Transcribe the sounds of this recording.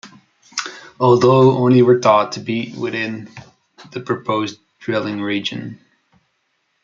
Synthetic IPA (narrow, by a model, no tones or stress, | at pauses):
ɔlˠðoʊõ̰ʊ̃niwə˞t̪ʰɔtʰɨbiʔ̚wɪ̰ðɪ̃n | ðɨpʰɹ̥ɨpʰoʊz | dɹɪlˠɪ̃ŋɹid͡ʒɨ̰̃n